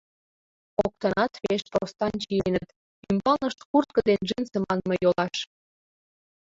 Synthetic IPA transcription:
ok̚t̪ənɑt̪βeʃprost̪ɑnt͡ɕijenət̪ | ymbɑlnəʃt̪kurt̪̚kə̆d̪enʒensə̆mɑnmejolɑʃ

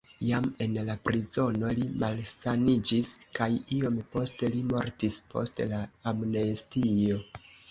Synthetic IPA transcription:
jame̞nlapɾizo̞no̞limalsanid͡ʒiskajio̞mpo̞stelimo̞ɾtispʰo̞̰stlaːmnestiio̞

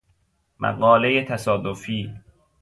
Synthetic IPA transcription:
mʔæ̰ɢɒːle̞jet̪ʰæsɒːd̪ofiː

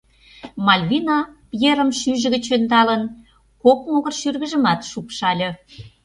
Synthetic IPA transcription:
mɑlʲβinɑpjeɾəmʃyʒə̆ɣə̆t͡ɕønd̪ɑlən | kok̚moɣə̆rʃyrɣə̆ʒə̆mɑt̪ʃupʃɑlʲɤ̆

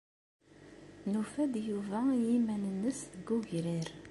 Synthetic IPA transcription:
nufæd̪juvæjimænənːəsɡuʝɾiɾ

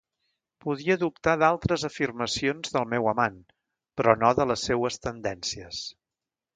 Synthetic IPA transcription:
puðiəðup̚t̪aðalˠt̪ɾəzəfirməsionzðəlˠmɛwəman | pɾɔnoðələsːɛwəst̪ənd̪ɛnsiəs

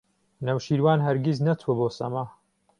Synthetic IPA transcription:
nɐwʃiːɾwaːnɦɐɾɡʲiznɐt̪ʰuɐboːsɐ̰ma

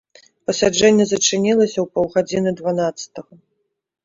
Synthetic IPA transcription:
pɐsʲad͡ʐɛnʲːɛzɐt͡ʂɨnʲilˠɐsʲɐwpɐwɣad͡zʲinɨd̪vanat̪sɐ̥t̪ɐɣɐ

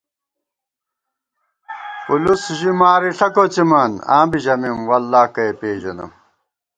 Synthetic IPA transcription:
ulusʑimaːɾiɬʰɐkot͡ɕimɐnã̰ːbiʑɐmimwɐlːaːkɐepeːʑɐnɐ̰m

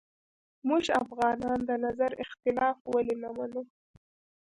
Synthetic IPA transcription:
muʒafɣɑnɑnd̪ənazaɾɪxt̪ɪlɑfwalinamanu

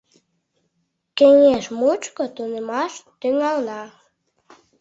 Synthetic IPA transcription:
kĕŋeʃmut͡ʃkot̪unəmɑʃt̪yŋɑlnɑ

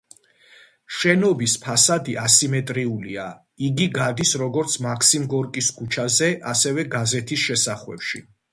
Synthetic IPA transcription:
ʃɛnɔbispʰasad̪iʔasimɛt̪ʼɾiulia | iɡiɡad̪isɾɔɡɔɾt̪sʰmakʰsimɡɔɾkʼiskʰut͡ʃʰazɛʔasɛvɛɡazɛt̪ʰisʃɛsaχwɛ̰pʃḭ

